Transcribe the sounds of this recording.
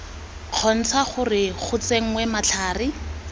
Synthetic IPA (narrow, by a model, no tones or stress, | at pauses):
q͡χʰɔn̩t͡sʰaχʊrɪχʊt͡seŋ̩ŋwɛmat͡ɬʰaːrɪ